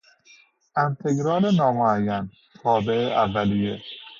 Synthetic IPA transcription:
ʔent̪ʰeɡɾɒːlenɒːmoæjːæn | t̪ʰɒːbeʔeʔævːælije

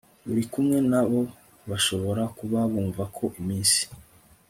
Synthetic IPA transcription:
βuɾikumŋe̞naβo̞ | βaʃo̞βo̞ɾakuβaβuːɱvakʰo̞ʔimiːnsi̥

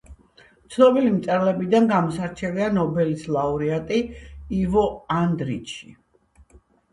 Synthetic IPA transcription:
t̪sʰnɔbilimt̪sʼɛɾlɛbid̪anɡamɔsaɾt͡ʃʰɛlianɔbɛlislˠauɾiat̪ʼiːvɔand̪ɾḭtt͡ʃʰi̥

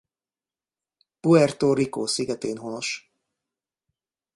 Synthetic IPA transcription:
puɛrt̪oːɾikoːsiɡɛt̪eːnɦono̞ʃ

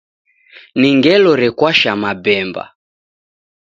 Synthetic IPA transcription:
niŋɡɛlɔɾɛkwaʃamabɛmba̰

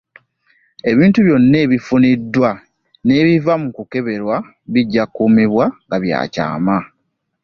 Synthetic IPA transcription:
e̞βiːntuβjo̞nːe̞ːβifunidːwa | ne̞ːβivamukuke̞βe̞ɾwa | βiɟːakːumiβwaŋɡaβja̰ːca̰ːma

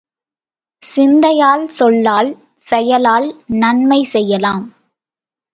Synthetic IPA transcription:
sɪnd̪ɐjaːlsɔlːaːl | sɛjɐlaːlnɐɳmɐɪsɛjːɐlaːm

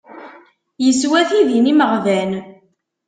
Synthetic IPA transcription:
jəswæθiðiniməʁvæn

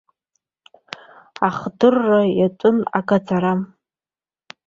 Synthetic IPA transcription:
aχdɨrːajatʷʼʊna̰ɡʼad͡zʰaɾam

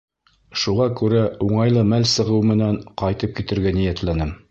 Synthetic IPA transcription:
ʃuʁɑkʉɾæuɴɑjlˠɤmælsɤ̆ʁɤwmɘ̆næɴqɑjt̪ɤp̚kit̪ɘ̆ɾɡænijæt̪lænɘm

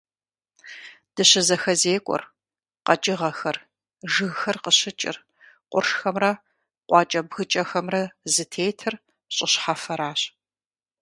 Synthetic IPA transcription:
d̥ɨɕɪzɐxɐzeːkʷʼɔ̰r | qɐt͡ʃʼɪʁɐxɐr | ʒɨɣxɐrqəɕɪt͡ʃʼɪ̰r | qʷʊrʂxɐmrɐ | qʷɑːt͡ʃʼɐbɣɨt͡ʃʼɐxɐmrɐzɨtʰeːjtʰɨr | ɕʼɪɕħafɐɾaːɕ

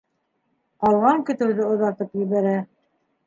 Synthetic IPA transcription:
qɑlˠʁɑŋkɵ̆t̪ɘ̆wðɘŏðɑɾt̪ɤpjɘ̆βæɾæ

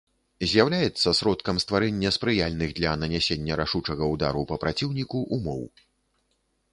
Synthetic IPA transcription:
zʲjawlʲajɛt̪sːɐsɾɔt̪kɐmst̪vaɾɛnʲːɐspɾɨjalʲnɨɣd̪lʲɐnɐnʲɛsʲenʲːɐɾaʂut͡ʂɐɣɐud̪a̰ɾupɐpɾat͡sʲiwnʲikuʔumɔ̰w

